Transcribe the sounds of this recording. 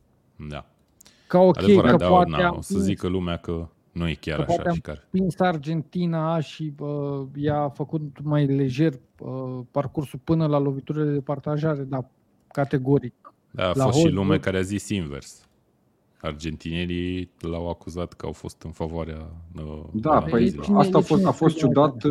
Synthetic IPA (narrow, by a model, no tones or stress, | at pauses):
d̪a̰ | kaoakd̪eejəɾaəd̪oat̪naeaosəzikəlumeakə | nujekʲa̰ɾəapaaeaikaɾpinsard͡ʒe̞nt̪inaʃiəjafəkut̪majle̞ʒe̞r | əparkursulpɨnəlalo̞vit̪uɾed̪ed̪epart̪aʒaɾe̞d̪a | kat̪e̞ɡo̞ɾik | d̪a̰ːlosoʃilumekaɾeazisinvḛrs | ard͡ʒent̪inelilawakuzat̪kəa̰wfo̞̰st̪ɨnfavoaɾeaəd̪aəit͡ʃinat̪afosafost̪t͡ʃud̪at̪